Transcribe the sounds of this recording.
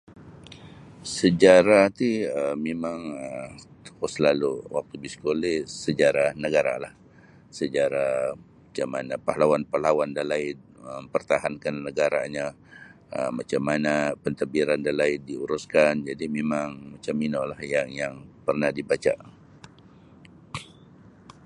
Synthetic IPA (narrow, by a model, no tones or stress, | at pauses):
səd͡ʒaɾat̪iəmemaŋə | koslaluwak̚t̪ubiskolɛsəd͡ʒaɾahnəɡaɾa̰lah | səd͡ʒaɾamat͡ʃamːanapahlawanpalawandalaɪn̚ | əpərt̪aɦankanːəɡaɾa̰ɲa | ə̰mat͡ʃamːanapənt̪əbiɾandalaɪndiuɾuskand͡ʒadimemaŋmat͡ʃaminolahjaŋjaŋpərnahdibat͡ʃa̰